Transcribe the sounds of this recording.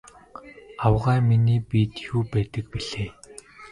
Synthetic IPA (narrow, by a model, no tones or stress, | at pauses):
awʁæːminiːpiːt̪juːpæːt̪ə̆k̚piɮ̥eː